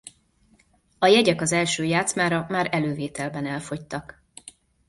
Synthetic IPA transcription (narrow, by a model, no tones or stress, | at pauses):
ɒjɛɟɛkɒzɛlʃøːjaːt̪smaːɾɒmaːɾɛløːveːt̪ɛlbɛnɛlfo̞ct̪ɒk